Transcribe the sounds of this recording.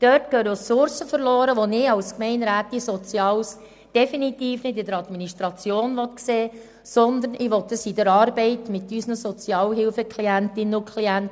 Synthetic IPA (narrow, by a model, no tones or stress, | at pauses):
d̥œtkøːɾosʊɾsəfəɾlɔːɾəʋonɪːɑwskmɛɪnɾæːtisɔt͡sjɑːls | d̥ɛfinit̪iːfnɪdɪdəɾɑd̪miniʃt̪ɾɑt͡sjoːnʋɔt̪kseː | sɔnd̪ənɪʋɔt̪dəsid̪əɾɑːɾbɛɪtmɪt̪ːysnəsɔt͡sjɑːlɦɪlfəkliæntɪnənʊkʰliænt